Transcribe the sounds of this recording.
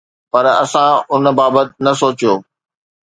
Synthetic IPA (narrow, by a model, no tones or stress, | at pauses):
pɐɾɐ̰sãʊnbaːbət̪nɐsoːt͡ɕijoː